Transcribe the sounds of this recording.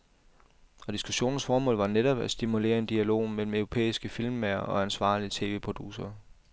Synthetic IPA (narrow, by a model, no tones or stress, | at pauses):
ɒ̽d̥isɡ̥uɕo̝̰ːnn̩sfɒːmɔ̰̽ːlʋɑ̈neɾ̥ɒ̽b̥æsd̥imule̝̰ːɐe̝nd̥iælo̝̰ːmel̰m̩œʊʁo̝pʰḛːisɡ̥əfilmeɐʔɒ̽ænsʋɑ̰̈ːliət͡sʰe̝ːʋe̝̰ːpʰʁo̝d̥ṵsɐː